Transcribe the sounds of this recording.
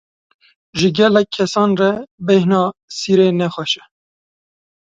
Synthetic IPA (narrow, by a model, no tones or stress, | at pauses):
ʒɪɡɛlːɛkʰːɛsɑːnrɛbɛhnɑːsiːɾeːnɛxɛʃɛ̥